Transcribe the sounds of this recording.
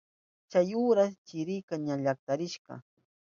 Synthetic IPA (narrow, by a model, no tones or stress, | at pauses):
t͡ʃajuːɾast͡ʃɪɾɪkaɲaʎak̚t̪aɾɪʃɢɑ̰